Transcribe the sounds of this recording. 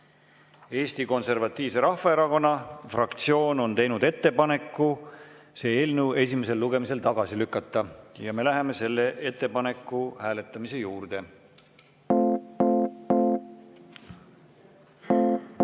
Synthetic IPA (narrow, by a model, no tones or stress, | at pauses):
e̞ːst̪iko̞nse̞rvɑt̪ːˑiːvse̞ɾɑhfɑe̞ɾɑko̞nːɑfrɑkt̪sio̞ːno̞nt̪e̞jnud̪̥e̞t̪ːe̞pɑne̞kːu | se̞ːeːlnewe̞sʲime̞se̞lːuɡ̥e̞mise̞lt̪ɑɡ̥ɑsilykːˑɑt̪ːˑɑjɑme̞læɦeme̞se̞lːeʔe̞t̪ːe̞pɑne̞kːˑuhæːle̞t̪ːˑɑmise̞juːrd̪̥e̞